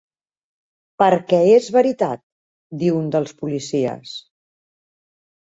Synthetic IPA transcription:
pəɾkɛezβəɾit̪at̪̚ | d̪iwund̪əlˠspulisiə̰s

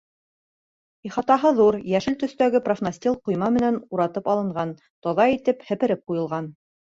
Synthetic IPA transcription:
iχɑt̪ɑɦɤðuɾjæʃɘlt̪ɵ̆st̪æɡɘprofnɐsʲt̪ʲilˠqŏjmɑmɘ̆nænuɾɑt̪ɤpɑlˠɤ̆ɴɢɑn | t̪ɒðɑit̪ɘphɘ̆pɘ̆ɾɘp̚qujɤ̆lˠʁɑn

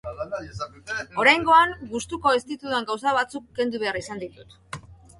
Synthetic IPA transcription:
o̞ɾajŋɡo̞aŋɡust̪uko̞est̪it̪ut̪uaŋɡaws̬aβat͡sukːe̞nd̪uβ̞e̞aɾisand̪it̪ut̪

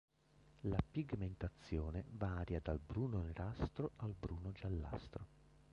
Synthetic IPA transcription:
lapiɡment̪at̪sːjɔːnevaːɾjad̪albɾuːnoneɾast̪ɾoalbɾuːnod͡ʒalːa̰st̪ɾo

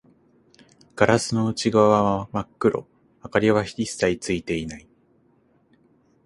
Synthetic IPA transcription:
ɡ̥aɾasɨno̞ɯ̟t͡ɕiɡaβaamakːɯ̟ɾʔo̞̰ | akaɾʲiβaçi̥ɾʲisait͡sɨit̪e̞inai

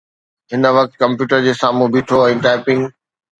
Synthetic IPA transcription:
ɦɪnəʋɐk̚t̪kɐ̃mpjuːʈəɾd͡ʑeːsaːmũbiːʈʰoɛ̃ːʈaːpɪŋɡ

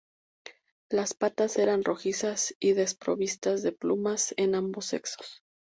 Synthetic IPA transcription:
laspat̪ase̞ɾanro̞xisasiðe̞spɾo̞βist̪azðe̞plumase̞nambo̞sːe̞̰kso̥s

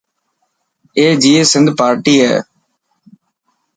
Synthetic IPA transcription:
eːd͡ʒiːeːsɪ̃nd̪paːɾʈiːɦɛ̰ː

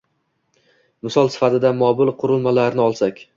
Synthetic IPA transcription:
mɪsɒlˠsɪ̥fat̪ʰɪd̪amɒbɪlˠqʰʊɾɪlˠmalaɾnɪɒlˠsakʲ

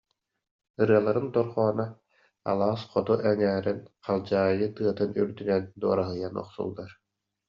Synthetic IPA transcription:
ɯɾɯɐlˠaɾɯnt̪ɔɾχɔːna | a̰lˠaːsqɔt̪uʔɛnæːɾinqalˠd͡ʑaːjɯt̪ɯɐt̪ɯnyɾd̪ynɛnd̪uɔɾaɦɯjanɔ̰χsṵlˠːaɾ

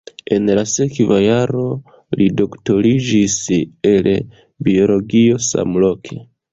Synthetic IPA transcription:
e̞nlase̞kvajaɾo̞ | lido̞kto̞ɾid͡ʒisel | bio̞lo̞ɡio̞sa̰mlo̞kʰe̞

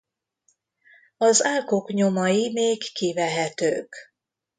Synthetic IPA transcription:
ɒzaːlkokɲo̞mɒjimeːkːivɛɦɛt̪ø̰ːk

